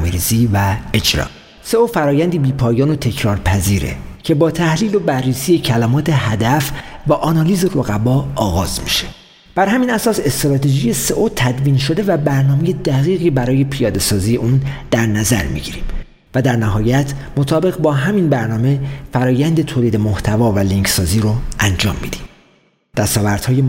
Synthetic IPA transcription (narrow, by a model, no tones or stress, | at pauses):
miɾḭːz̥iːvæed͡ʒɾɒ̰ː | se̞ofæɾɒːjænd̪iːbiːpʰɒːjɒːnot̪ʰe̞cʰɾɒːɾpʰæziːɾḛcʰe̞bɒːt̪ʰæhliːlo̞bærːiːsijecʰælæmɒːt̪ʰe̞hæd̪æfvæʔɒːnɒːliːzeɾoɣæbɒːɒːɣɒːzmḭʃe̞ | b̥æɾhæmiːnæsɒːse̞st̪ɾɒːt̪ʰeʒijese̞ʔot̪ʰæd̪viːnʃo̞d̪e̞væbæɾnɒːme̞je̞d̪æɣiːɣiːbæɾɒːje̞pʰijɒːd̪e̞sɒːziːje̞ʔuːnd̪̥æɾnæzæ̰ɾmḭɟiɾḭm | væd̪æɾnæɦɒːjæt̪ʰmot̪ʰɒːbe̞ɣbɒːɦæminbæɾnɒːme̞fæɾɒːjænd̪e̞t̪ʰoːliːd̪e̞moht̪ʰævɒːvæliŋcsɒːziːɾoʔænd͡ʒɒːmːḭːd̪im | d̪̥æst̪ɒːvæɾd̪̥hɒːje